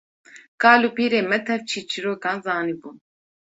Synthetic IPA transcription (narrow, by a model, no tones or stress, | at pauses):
kaːluːpiːɾeːmɛt̪ʰɛft͡ʃʰiːt͡ʃʰiɾoːkãːnzaːnibuːn